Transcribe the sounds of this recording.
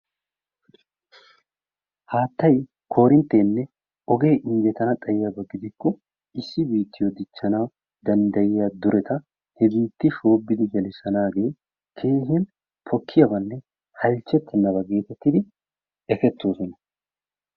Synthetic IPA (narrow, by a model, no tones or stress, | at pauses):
haːt̪ːɐj | kʰo̞ːɾɪnt̪ːe̞ːnːɛ | ɔɡe̞ːʔɪŋɡɛt̪ɐnɐt̪ʼɐjɪjɐbɐɡɪd̪ɪkːɔ | ɪsːɪbiːt̪ːɪjɔd̪ɪt͡ʃːɐnaː | d̪ɐnd̪ɐjɪjad̪ʊɾʔɛt̪ɐ | hɛbiːt̪ːɪʃo̞ːbːɪd̪ɪɡɐlɪsɐnaːɡe̞ː | kʰe̞ːɦɪɐn | pʰɔkʰːɪjɐbɐnːɛ | hɐlt͡ʃːɛt̪ːɛnːɐbɐɡe̞ːt̪ɛt̪ːɪd̪ɪ | ɛfɛt̪ːo̞ːsɔnɐ